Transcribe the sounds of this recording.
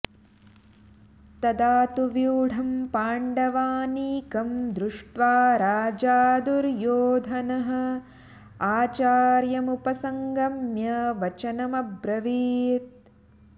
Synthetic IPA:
t̪ɐd̪aːt̪uʋjuːɽ̤ʱɐmpaːɳɖɐʋaːniːkɐmd̪ɾuʂʈʋaːɾaːd͡ʒaːd̪uɾjoːd̪ʱɐnɐɦɐ̆ | aːt͡ʃaːɾjɐmupɐsɐŋɡɐmjɐʋɐt͡ʃɐnɐmɐbɾɐʋiːt̪̚

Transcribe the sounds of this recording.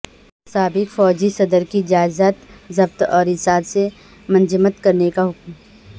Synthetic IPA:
saːbɪkfɔːd͡ʒisɐd̪əɾkid͡ʒaːɪzaːt̪zɐbt̪ɔːɾɪsaːɾse | mɐ̃nd͡ʒɪmət̪kɐɾnekaɦʊkm

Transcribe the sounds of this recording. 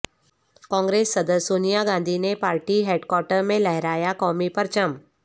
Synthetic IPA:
kɔ̃ŋɡɾesːəd̪əsunijaɡãnd̪ʱinepaɾʈiːɦeɖkwɔɾʈəɾmẽləɦɛɾajakɔmipəɾt͡ɕəm

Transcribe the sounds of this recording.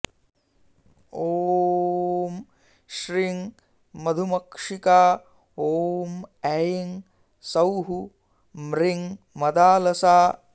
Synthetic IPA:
oː | m | ʃɾiŋ | mɐd̪ʱumɐkʂikaː | oːmɛjiŋ | sɐwɦu | mɾiŋ | mɐd̪aːlɐsaː

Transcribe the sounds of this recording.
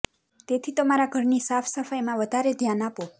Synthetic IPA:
t̪et̪ʰit̪əmaɾaɡʱʌɾnisapʰsəpʰajmãʋəd̪ʱaɾed̪ʱjanapo

